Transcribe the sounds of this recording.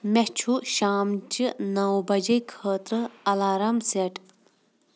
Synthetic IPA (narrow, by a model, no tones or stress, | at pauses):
met͡ʃʰuʃaːmt͡ʃɨnɐwbɐd͡ʒɐjkʰəːt̪ɾɨɐlaːɾɐmseʈʰ